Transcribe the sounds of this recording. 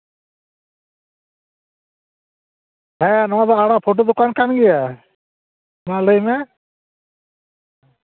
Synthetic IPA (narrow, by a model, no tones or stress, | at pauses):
ɦɛnɔwad̪aaɽapʰoʈ̬od̪ukankanɡɛja | maləjmɛ